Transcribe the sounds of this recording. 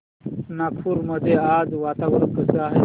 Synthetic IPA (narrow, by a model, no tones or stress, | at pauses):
nakfuɾməd̪ʱead͡zʋat̪aʋɾkəsəaɦe